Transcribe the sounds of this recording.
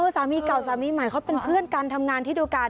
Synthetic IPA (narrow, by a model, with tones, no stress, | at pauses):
saː˩˦miː˧ka˨˩wsaː˨˩˦miː˧ma˨˩˦jkʰa˦˥˩wpe˧npʰɯ˥˩ənkaː˧nt̪ʰa˧mŋaː˧nt̪ʰiː˥˩d̪uː˧kaː˧